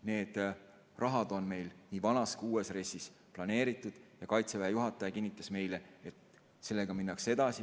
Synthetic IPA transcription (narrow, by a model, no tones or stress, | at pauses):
ne̞ːd̪̥ | rʔɑɦɑd̪̥o̞nme̞jlniːvɑnɑskuːe̞sre̞sis | plɑne̞ːɾit̪ːˑud̪̥jɑkɑjt̪sevæjejuɦɑt̪ːˑɑjɑkinːit̪ːˑɑsme̞jle̞et̪ | se̞lːe̞ɡ̥ɑminːɑkse̞d̪̥ɑsi